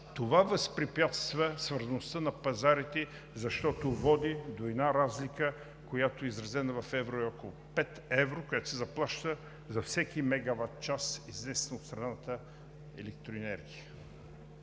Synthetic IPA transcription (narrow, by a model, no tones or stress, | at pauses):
t̪ovavɐspɾipʲjat̪st̪vəsvəɾzɐnʊst̪ənɐpɐzaɾit̪ɛ | zɐʃt̪ɔt̪ovɔd̪id̪oɛd̪naɾazlikə | kojat̪oɛizɾɐzɛnəvɐfɛvɾoɛɔkolˠʊpɛt̪ɛvɾokojat̪o̥sɛzɐplˠaʃt̪ə | zɐfsɛkimɛɡavat̪̚t͡ʃasizvɛsnɐot̪st̪ɾɐnat̪ə | ɛ̰lɛk̚t̪ɾoɛnɛɾɡʲijə